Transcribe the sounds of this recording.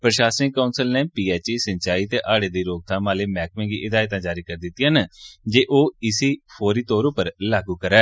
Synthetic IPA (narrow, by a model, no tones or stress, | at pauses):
pɾəʃaːsɪŋkkːaʊnsəlneːpiːɛːt͡ʃiːsəɲt͡ʃaːiːt̪eːʔaːɽeːd̪iːɾoːɡ̚t̪ʰãːmaːleːmɛːk̚mẽːŋɡiːʔɪd̪aːjt̪̬ãːd͡ʒaːɾiːkəɾd̪ɪt̪ːijãːnd͡ʒeːʔoːɪsiːpʰoːɾiːt̪ɔːɾõːpəɾlaːɡuːkəɾɛː